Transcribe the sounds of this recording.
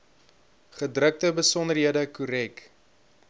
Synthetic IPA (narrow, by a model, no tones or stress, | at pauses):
χədrək̚təbəsɔnərɦiədəkuɾɛk